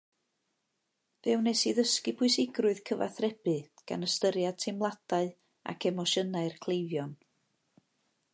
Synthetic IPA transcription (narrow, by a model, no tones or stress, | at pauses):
vɛwnɛsiðəskɨpʰʊɨsɪɡrʊɨð̥kʰəva̰θrɛb̥ɨɡ̥a̰nəstəɾjad̥̚tʰɪmlˠad̥aɨ | a̰kʰɛmɔʃənaɨrkʰl̥ˠejvjɔn